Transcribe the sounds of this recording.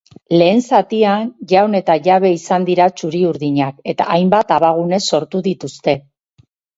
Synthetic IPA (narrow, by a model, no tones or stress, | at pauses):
le̞ːnsat̪ianʝawne̞t̪aʝaβ̞e̞isand̪iɾat͡ʃuɾiuɾðiɲake̞t̪a̰ʔːjmbat̪aβaɣ̞une̞sːo̞ɾt̪uðit̪ust̪e̞